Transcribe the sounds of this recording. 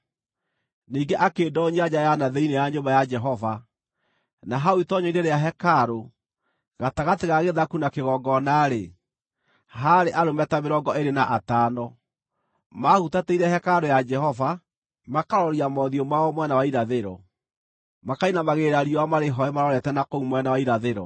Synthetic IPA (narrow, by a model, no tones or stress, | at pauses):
niːŋɡeʔakeːdɔɲad͡ʑajanaðeinejaɲombajad͡ʒɛɦɔva | naɦaoitɔɲɔiɾeɾeaɦɛkaɾo | ɣataɣateɣaɣeðakunakeɣɔɡɔnaɾe | haɾeʔaɾomɛtameɾɔɡɔeɾenaʔatanɔ | maɣutateiɾɛhɛkaɾojad͡ʒɛɦɔva | makaɾɔɾiamɔðiɔmwaɔmwɛnawaiɾaðeɾɔ | makainamaɣeɾaɾiɔwamaɾeɦɔɛmaɾɔɾɛtɛnakoumwɛnawaiɾaðeɾɔ̰